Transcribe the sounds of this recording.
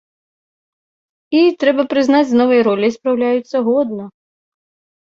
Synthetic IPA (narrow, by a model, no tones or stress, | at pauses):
it̪ɾɛbɐpɾɪznɑtʲznɔʋɛjɾɔlʲɪjspɾɐwlʲajʊt͡sʲːɐɦɔd̪̚nɔ